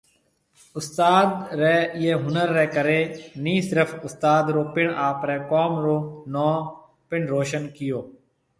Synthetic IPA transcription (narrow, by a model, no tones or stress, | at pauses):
ʊst̪aːd̪ɾɛːɪjeːɦʊnəɾːɛːkəɾeːnĩːsɪɾəfʰʊst̪aːd̪ɾoːpɪɳaːpɾɛːkɔːmɾoːnɔː | pɪɳɾoːʃənkɪjoː